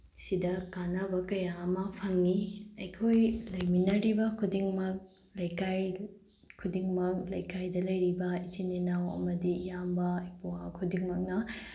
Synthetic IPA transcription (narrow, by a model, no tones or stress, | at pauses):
sidɐkanabɐkɐjaːmɐpʰɐŋːiɐjkʰojlɐjminɐɾibɐkʰudiŋmɐk̚ | lɐjkaj | kʰudiŋmɐk̚lɐjkajdɐlɐjɾibɐit͡ʃinenawɐ̰mɐdijambɐipuwakʰudiŋmɐk̚nɐ